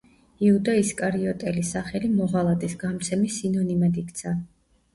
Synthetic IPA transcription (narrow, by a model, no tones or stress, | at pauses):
iud̪aiskʼaɾiɔt̪ʼɛlisaχɛlimɔʁalˠat̪ʼisɡamt̪sʰɛmisinɔnimad̪ikʰʼt̪sʰa